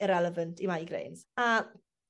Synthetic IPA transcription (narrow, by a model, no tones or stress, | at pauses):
ɪɾɛləvəntʰimaiɡɾḛjnz̥a